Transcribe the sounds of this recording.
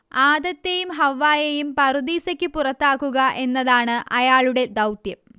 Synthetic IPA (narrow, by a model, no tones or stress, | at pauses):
aːd̪ɐt̪ːejumɦɐʋːaːjejumpɐrud̪iːsɐkʲːɨpurɐt̪ːaːkːuɣɐʔe̞nːɐðaːɳɨʔɐjaːɭuɽe̞d̪ɐwt̪jɐm